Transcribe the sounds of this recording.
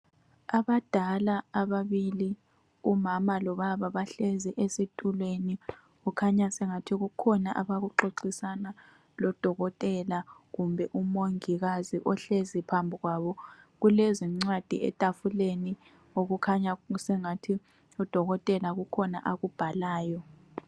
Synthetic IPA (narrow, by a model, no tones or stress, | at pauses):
aβad̥ʱalaːβaβili | umamalɔβaβaβaɬeziʔesitʼulweni | ɣukʰaɲasɛŋatʰiɣukʰɔnaʔaβaɣuǃoǀisana | lɔd̥ʱɔɣɔtʼɛlaɣumbʱɛʔumoŋiɣaziʔɔɬezipʰambʱiɣwaβɔ | ɣulɛziŋ͡ǀwad̥ʱḭɛ̰tʼafuleni | oɣukʰaɲasɛŋatʰi | ud̥ʱɔɣɔtʼɛlaɣukʰɔna̰ʔaɣub̥ʱalaːjɔ